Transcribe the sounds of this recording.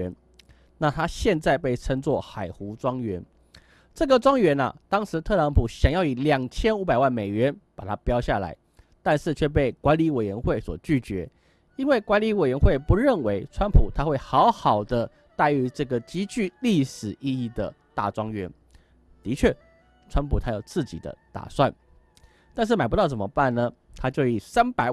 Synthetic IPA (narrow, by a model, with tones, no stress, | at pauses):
ɛ˧˥n | na˥˨t̪ʰa˥ɕjɛ˥˧nt͡sa˥˧ɪpe˥˩ɪʈ͡ʂʰə˥ŋt͡swɔ˥˨xa˨˩ɪxu˧˥t͡swɑ˥ŋɥɛ˧˥n | ʈ͡ʂɤ˥˩ɡə˨ʈ͡ʂwɑ˥ŋɥɛ˧˦˥nɐ̰˨t̪ɑ˥ŋʂɻ̩˧˥t̪ʰɤ˥˨lɑ˧˥ŋpʰu˨˩ɕjɑ˨˩ŋjɑ˥˩ʊi˨˩ljɑ˨˩ŋt͡ɕʰjɛ˥nu˧˥p̬a˨˩ɪwa˥˩nme˨˩ɪɥɛ˧˦npa˨˩t̪ʰa˥pjɑ˥ʊɕja˥˩la̰˧˦ɪ | t̪a˥˧nʂɻ̩˥˧t͡ɕʰɥɛ˥˧pe˥˩ɪkwa˧˦nli˧˥we˨˩ɪɥɛ˧˥nxwe˥˩ɪswɔ̰˨˩t͡ɕy˥˩t͡ɕɥɛ̰˧˥ | i˥nwe˥˩ɪkwa˧˥nli˧˥we˨˩ɪɥɛ˧˥nxwe˥˩ɪpu˧˦ɻə˥˩nwe˧˥ɪʈ͡ʂʰwa˥npʰu˨˩t̪ʰa˥xwe˥˩ɪxɑ˧˥ʊxɑ˨˩ʊd̪ə˦ | t̪a˥˩ɪy˧˥ʈ͡ʂɤ˥˩ɡə˩t͡ɕi˥t͡ɕy˥˧li˥˩ʂɻ̩˨˩i˥˧i˥˩d̪ə̰˩t̪a̰˥˩ʈ͡ʂwɑ˥ŋɥɛ˧˥n | t̪i˧˥t͡ɕʰɥɛ˥˩ | ʈ͡ʂʰwa˥npʰu˨˩t̪ʰa˥jo˨˩ʊt͡sʰɹ̩˥˩t͡ɕḭ˨˩d̪ə̰˦t̪a̰˨˩swa˥˩n | t̪a˥˧nʂ̬ɻ̩˥˩ma˨ɪpu˧t̪ɑ˥˩ʊt͡sə˨˩mə̰˦pa˥˩nnə˩ | t̪ʰa˥t͡ɕjo˥˧˩ʊi˨˩sa˥npa˨˩ɪ